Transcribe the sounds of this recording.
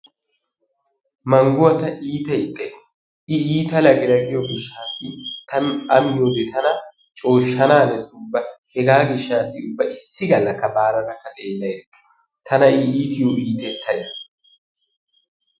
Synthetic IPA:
mɐŋɡʊwɐt̪ɐʔiːt̪ɐɪt̪ʼːes | ɪiːt̪ɐlɐɡɪlɐɡɪjɔɡɪʃːaːsɪt̪ɐnʔɐmɪjod̪ɛt̪ʰɐnɐ | t͡ʃʼo̞ːʃːɐnaːnɛsʊbːɐhɛɡaːɡɪʃːaːsːɪʊbːɐʔɪsːɪɡɐlːɐkːɐbaːɾɐnɐkːɐt̪ʼeːlːɐjkːɛ̥ | t̪ʰɐnɐɪiːt̪ɪjoʔiːt̪ɛt̪ʰːɐjdɐ

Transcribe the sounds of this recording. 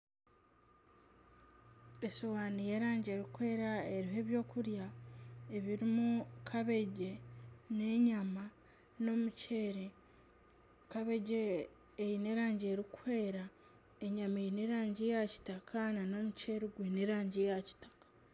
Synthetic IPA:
esowaːnijeɾaːɲɟe̞ːɾikwe̞ːɾae̞ɾiɦe̞ːβjo̞ːkuɾjaeβiɾimukʰaβe̞ɟe̞neɲama | nomuceɾe | kaβe̞ɟeː | jine̞ɾaːɲɟe̞ːɾikwe̞ːɾa | eɲamejineɾaːɲɟejaci̥takʰanano̞muceɾiɡwiːneɾaːɲɟejaci̥tḁkḁ

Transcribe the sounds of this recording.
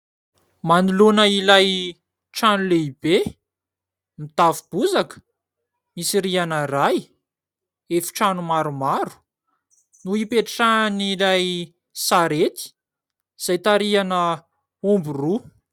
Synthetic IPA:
manilunəilaj | ʈ͡ʂanuleibe | mit̪avub̥uzakə̥ | misiɾianəraj | efi̥ʈ͡ʂanumaɾumaɾu̥ | nuipeʈ͡ʂʈ͡ʂanilaj | saɾet̪i̥ | z̥ajt̪aɾianə | umburu

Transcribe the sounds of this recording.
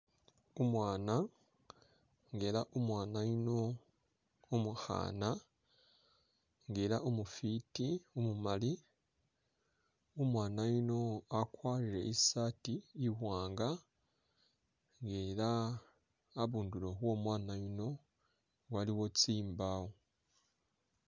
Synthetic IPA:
umwaːna | ŋɡeɾaʔumwaːnajino | umuxa̰ːna | ŋɡeɾaʔumufitiumumali | umwaːnajino̞akwaːiɾe̞̰ʔisaːtiːhwaːŋɡa | ŋɡelaː | βuːndulo̞βwo̞mwaːnajino̞ | waliwo̞t͡siːmbawo

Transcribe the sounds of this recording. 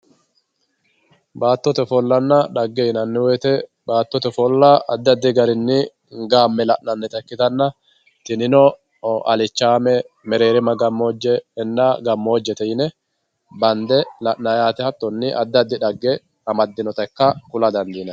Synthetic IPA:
baːt̪ːɔt̪ɛfɔlːɐnːɐᶑɐɡːɛjɪnɐnːɛweːt̪ɛ | baːt̪ːɔt̪ɛfɔlːɐɐd̪ːɐd̪ːɪɡɐɾɪnːɪ | ɡaːmːɛlɐʔnɐnːɛt̪ɐkːɪt̪ɐnːɐ | t̪ɪnɪnɔ | ɐ̰lɪt͡ʃːaːmɛ | mɛɾe̞ːɾɪmɐɡɐmːoːd͡ʒːɛɛnːaːɡɐmːo̞ːd͡ʒːɛt̪ɛjɪnɛ | bɐnd̪ɛlɐʔnɐjaːt̪ɛhɐt̪ːɔnːɪʔɐ̰d̪ːɐd̪ːɪᶑɐɡːɛ | ɐmɐd̪ːɪnɔt̪ɐkːɐkʊlɐd̪ɐnd̪iːnɐ

